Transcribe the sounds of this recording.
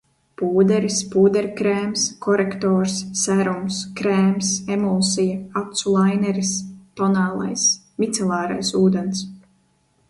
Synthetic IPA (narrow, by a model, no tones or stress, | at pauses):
puːd̪ɛɾispuːd̪ɛɾkɾɛeːmskʰɔɾekt̪oːɾsːæɾumskɾeːmsemɔːsijaat̪sulˠajnɛɾist̪ɔnaːlˠa̰js | mit̪sɛlˠaːɾa̰jsuːd̪ens